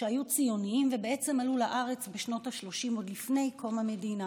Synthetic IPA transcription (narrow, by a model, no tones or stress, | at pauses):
eajut͡sijo̞niimvebeet͡semalulaʔaʁet͡sbeʃno̞taʃlo̞ʃimo̞d̪lifne̞jkʰo̞mame̞dina